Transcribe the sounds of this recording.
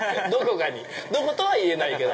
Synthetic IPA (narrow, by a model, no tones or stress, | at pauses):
d̪o̞ko̞kaɲ̟id̪o̞kot̪o̞βaie̞naike̞d̪o